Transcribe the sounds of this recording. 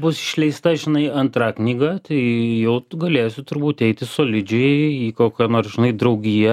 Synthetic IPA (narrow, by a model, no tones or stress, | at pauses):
bʊsɪ̥ʃʲlʲɛɪst̪ɐʒʲɪnɐɪɐnt̪ɾɑknʲiːɡɑt̪ɐɪjɛʊɡɐlʲeːsʲʊt̪ʊɾbuːt̪ɛɪt̪ʲɪsoːlʲɪd͡ʒʲɛɪiːkoːkʲɛːnoːrsʒʲɪnɐɪd̪ɾɐʊɡʲiːjɛ